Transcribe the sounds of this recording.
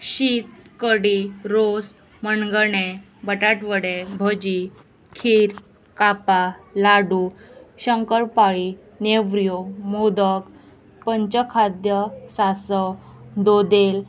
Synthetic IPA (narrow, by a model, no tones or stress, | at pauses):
ɕit̪̚kəɽiɾos | mənɡəɳe | bəʈaʈʋəɽebʱəd͡ʑi | kʰiːɾ | kapalaɽuɕəŋkəɾpaɭi | neʋɾjomod̪ək | pəɲt͡ɕəkʰad̪jəsasəd̪od̪el